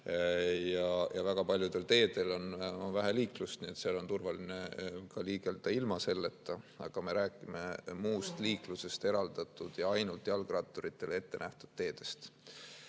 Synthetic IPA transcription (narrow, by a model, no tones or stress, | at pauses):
jɑjʔɑvæɡ̥ɑpɑlʲjud̪̥e̞lt̪e̞ːd̪̥e̞lo̞nvæɦæliːklust̪niet̪seɑlo̞nt̪urvɑlinekɑliːɡ̥eld̪ɑilmɑse̞lːe̞t̪ːɑɑɡ̥ɑme̞ɾæːkˑime̞muːst̪liːkluse̞st̪e̞ɾɑld̪̥ɑt̪ˑːud̪̥jɑɑjnult̪ːˑjɑlɡrɑt̪ːˑoɾit̪ˑːe̞le̞t̪ːe̞næht̪ud̪̥̚t̪ːe̞ːd̪̥e̞st̪